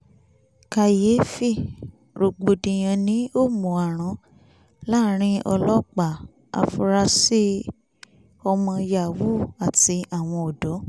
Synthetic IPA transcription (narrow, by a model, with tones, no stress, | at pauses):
ka˧je˨˦fi˦˨ | ɾo˨ɡ͡bo˨˧dĩ˧j̃ã˧nĩ˨˦o˦˨mo˨a˨ɾ̃ã˨˧ | la˦ɾ̃ĩ˦ʔɔ̰˧lɔ˦k͡pa˨ | a̰˧fu˧ɾa˧si˦ | ɔ˧mɔ̃˧ja˨wu˦˨a˨ti˧a˨w̃ɔ̃˧o˨dɔ˨˦